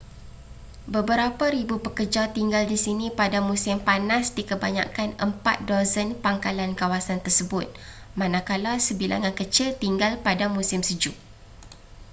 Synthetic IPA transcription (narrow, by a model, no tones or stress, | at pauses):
bəbəɾapaɾibupəkərd͡ʒat̪iŋɡaldisinĩpadamũsɪmpanasdikəba̰ɲa̰kanəmpa̰t̪̚dozənpaŋkalankawasant̪ərsəbʊt̪̚ | mãnãkalasəbilʔa̰ŋankət͡ʃɪlt̪iŋɡalpadamũsɪmsəd͡ʒuʔ